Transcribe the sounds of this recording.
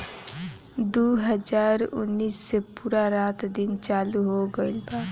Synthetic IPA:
d̪uɦəd͡ʒaɾṵnːisːepuɾaɾat̪ʰd̪int͡ʃaluɦoɡəɪlba

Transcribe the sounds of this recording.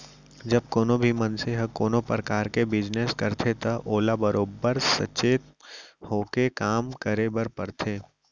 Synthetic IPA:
d͡ʒɐb̚koːnõbʱimɐnseɦəkːoːnõpɾəkaːɾkebɪd͡ʒneskɐɾt̪ʰet̪ɐʔoːlabɐɾʔoːbəɾsɐ̰t͡ʃeːt̪hoːkekaːmkəɾebəɾpɐɾt̪ʰeː

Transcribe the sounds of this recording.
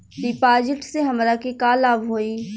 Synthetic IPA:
ɖɪpaːd͡ʒɪʈseɦɐmɾakekalaːbɦoːiː

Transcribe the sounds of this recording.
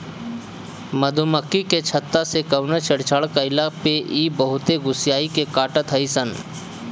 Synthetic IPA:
məd̪ʱʊməkːiket͡ʃʰət̪ːasekəwnət͡ʃəɽt͡ʃəɭkəɪlapeʔiːbəɦʊt̪eɡʊsjaːikekaːʈət̪ɦəisən

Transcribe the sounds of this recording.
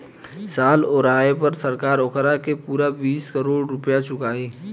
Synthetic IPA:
saːloːɾaːepɐɾsɐɾkaːɾʊkʰɾakepuːɾabiːskəɾoːɽɾʊpjat͡ʃʊkaːĩː

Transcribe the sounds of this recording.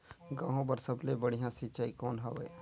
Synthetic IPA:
ɡãːɦõbəɾsɐblebəɽ̤ijãsit͡ʃaːikɔːnɦɐʋee

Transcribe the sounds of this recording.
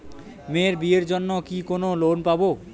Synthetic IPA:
meɾbieɾd͡ʑonːokikonolonpabo

